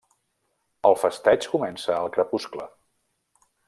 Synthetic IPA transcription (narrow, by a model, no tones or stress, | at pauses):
əlˠfəst̪ɛt͡ʃkumɛnsəːlˠkɾəpusklə